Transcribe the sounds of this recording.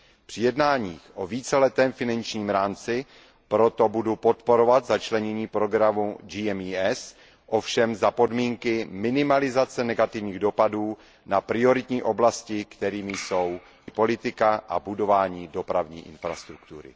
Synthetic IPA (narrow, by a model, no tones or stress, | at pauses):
pr̥ɪjɛdnaːɲiːxʔo̞viːt͡sɛlɛt̪ɛːmfɪnant͡ʃɲiːmɾaːmt͡sɪ | pɾo̞t̪o̞budupo̞t̪po̞ɾo̞vat̪zat͡ʃlɛɲɛɲiːpɾo̞ɡɾamud͡ʒiːɛmiɛs | ʔo̞fʃɛmzapo̞dmiːŋkɪmɪnɪmalɪzat͡sɛnɛɡat̪ɪvɲiːɣdo̞paduː | napɾɪo̞ɾɪt̪ɲiːʔo̞blascɪkt̪ɛɾiːmɪjso̞w | po̞lɪt̪ɪkaʔa̰budo̞vaːɲiːdo̞pɾavɲiːʔɪnfɾast̪ɾukt̪uɾɪ̰